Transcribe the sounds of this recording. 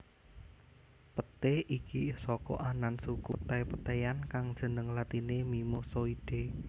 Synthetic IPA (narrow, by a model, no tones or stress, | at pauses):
pət̪eʔikisɔkɔ̰ʔanansukut̪ɛjpət̪ejankaŋd̥ʒ̥ə̤nəŋlat̪inemimosoid̥e